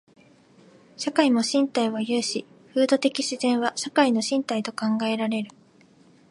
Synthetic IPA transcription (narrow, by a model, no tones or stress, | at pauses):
ɕakaimo̞ɕĩnt̪aiβajɯ̟ːɕi | ɸɯ̟ːd̪o̞t̪e̞kʲiɕizẽ̞ɰ̃βaɕakaino̞ɕĩnt̪ait̪o̞kãŋɡae̞ɾaɾe̞ɾɯ̟